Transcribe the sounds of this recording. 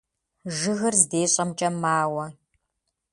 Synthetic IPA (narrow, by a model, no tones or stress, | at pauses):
ʒɨɣɨrzdeːɕʼɐmt͡ʃʼɐmaːwɐ